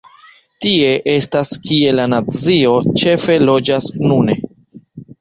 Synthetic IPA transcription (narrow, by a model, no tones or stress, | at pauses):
tie̞ʔe̞staskie̞lanat͡sio̞t͡ʃe̞fe̞lo̞d͡ʒasnune̞